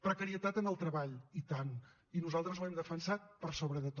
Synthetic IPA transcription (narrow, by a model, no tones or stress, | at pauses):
pɾəkəɾiət̪at̪ənəlˠt̪ɾəβaʎit̪an | inuzalˠt̪ɾəzwɛmd̪əfənsat̪̚pəɾsoβɾəðət̪